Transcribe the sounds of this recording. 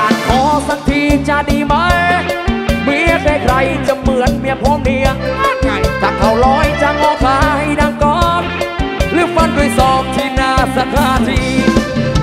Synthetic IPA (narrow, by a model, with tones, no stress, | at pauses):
a˨˩nkʰɔː˨˦sa˧˩ŋt̪ʰiː˧t͡ɕa˧˩diː˧ma˧˥j | mi˧˥əkʰaː˧˩kʰɾa˧jt͡ɕa˧mɯ˨˩˦ənmi˧˥əpʰoː˧˥˦mni˧ə˧ | t̪ʰa˨˧˩k̪ʰa˧˩wlɔː˧˥jt͡ɕa˧˩ŋɔː˧˥kʰaː˧˦ha˧jdaː˧˩ŋkɔː˧˦n̚lɯ˧˥k̚fa˧˥˩ndu˧˩əjsɔː˨˩p̚t̪ʰiː˧˩naː˧sa˧t̪ʰaː˧˦t̪ʰiː˧˩